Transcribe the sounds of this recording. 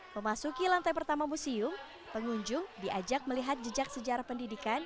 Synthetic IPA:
məmasukilant̪ajpərt̪amamusiʊm | pəŋuɲd͡ʒʊŋdiʔad͡ʒak̚məliɦat̪̚d͡ʒəd͡ʒak̚səd͡ʒaɾahpəndidikan

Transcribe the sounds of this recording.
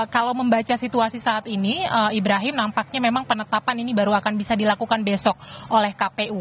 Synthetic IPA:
kalawməmbat͡ʃasit̪uasisaːt̪iniəibɾaɦɪmnampak̚ɲamemaŋpənət̪apaninibaɾuakanbisadilakukanbɛsɔk̚ʔolɛhkapeʔu

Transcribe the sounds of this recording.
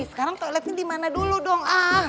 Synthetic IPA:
sə̥kaɾaŋt̪olɛpindimanaduludɔŋa

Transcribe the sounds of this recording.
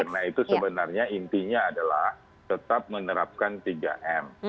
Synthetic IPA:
kərnait̪usəbənarɲaint̪iɲaːdalah | t̪ət̪ap̚mənəɾap̚kant̪iɡa̰ʔɛm

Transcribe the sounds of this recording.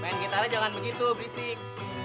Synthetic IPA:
paankit̪aɾad͡ʒaŋanbəɡit̪ubɾisɪk

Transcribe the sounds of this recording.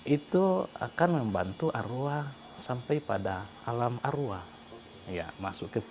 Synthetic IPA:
it̪ua̰kanmɛmbant̪uʔaɾua | sampɛjpadaː | lamaɾua | ja̰masukɛ

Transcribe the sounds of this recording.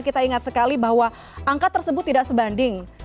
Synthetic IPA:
kit̪aiŋat̪̚səkalibaɦwa | ʔaŋkat̪ːərsəbʊt̪ːidaʔksəbandɪŋ

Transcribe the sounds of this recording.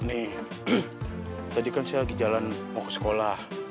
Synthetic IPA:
nɪh | t̪adikansajalaɡid͡ʒalanmɔksə̥kolah

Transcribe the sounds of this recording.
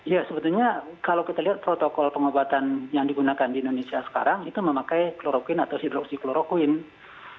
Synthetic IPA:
jasəbət̪ulɲakalawkit̪aliɦat̪̚pɾot̪okɔlpəŋobat̪anjaŋdiɡunakandiːndonesiasə̥ka̰ɾaŋit̪uməmakajkəloɾokuɪnat̪awsidɾɔk̚sikəloɾokuɪn

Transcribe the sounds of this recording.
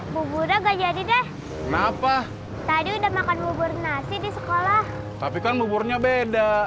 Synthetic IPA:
bubuɾaɡad͡ʒadidɛh | kənapa | t̪adiudahmakanbubʊrnasɪdisəkolah | t̪apikanbubʊrɲabeda

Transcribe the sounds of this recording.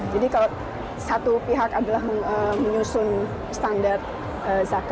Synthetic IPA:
d͡ʒadikala | sat̪upiɦakadalahəməɲusʊn | st̪andart̪̚ | əzak

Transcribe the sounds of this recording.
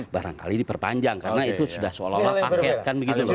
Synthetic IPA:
baɾa̰ŋka̰lidipərpa̰ɲd͡ʒaŋkarnait̪usudahsəo̰lapapakɛt̪̚kanbəɡit̪ul

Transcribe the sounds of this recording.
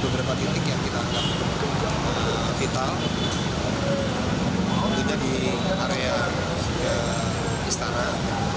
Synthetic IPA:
bəbɾapat̪it̪ɪkjaŋkit̪aːŋɡap̚ | fit̪al | t̪idadi | ʔaɾea | kə | ist̪ana

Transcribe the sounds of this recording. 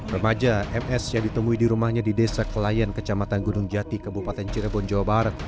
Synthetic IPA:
rəmad͡ʒaɛmɛsjaŋdit̪əmuidiɾumahɲadidesakəlajankət͡ʃamat̪anɡunuŋd͡ʒat̪ikəbupat̪ɛnt͡ʃiɾbɔnd͡ʒawabaɾat̪̚

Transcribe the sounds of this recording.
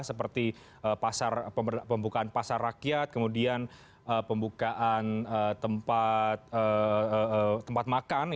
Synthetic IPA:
səpərt̪i | ʔəpasarpəpəmbukaanpasarːakijat̪̚kəmudian | əpəmbukaʔanət̪əmpat̪̚əəət̪əmpat̪̚makan

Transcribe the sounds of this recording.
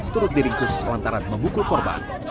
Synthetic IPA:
t̪uɾʊt̪̚diɾɪŋk̪ʊslant̪aɾanməmukʊkɔrba̰n

